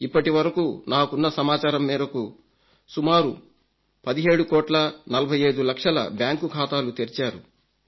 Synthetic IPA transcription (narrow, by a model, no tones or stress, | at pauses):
ipːɐʈiʋɐɾɐkuːnaːkunːɐsɐmaːt͡ʃaːɾɐmːiːɾɐku | sumaːɾu | pɐd̪iɦe̞ːɽukɔːʈlɐnɐlɐbʱɐjɐjd̪ulɐkʂɐlɐ̰bjaːŋkukʰaːt̪aːlut̪eɾit͡ʃaːɾu